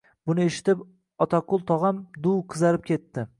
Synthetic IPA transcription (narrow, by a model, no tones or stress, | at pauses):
bʊnɪe̞ʃɪ̥t̪ɪp | ɒt̪ʰaqʊlˠt̪ʰɒʁɑmd̪uwqʰɨzaɾɪp̚kʲʰe̞t̪ːɪ